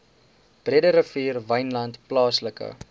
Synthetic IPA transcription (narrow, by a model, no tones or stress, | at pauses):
b̥riədəɾəfiːrvəjnlɐntplɑːsləkə̰